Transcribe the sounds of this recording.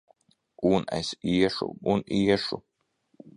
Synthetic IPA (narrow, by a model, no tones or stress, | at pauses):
unɛ̰siɛʃṵuniɛʃu